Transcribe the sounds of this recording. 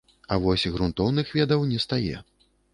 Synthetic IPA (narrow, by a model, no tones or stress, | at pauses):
ɐvɔsʲɣɾunt̪ɔwnɨxvʲɛd̪ɐwnʲɛst̪ajɛ̰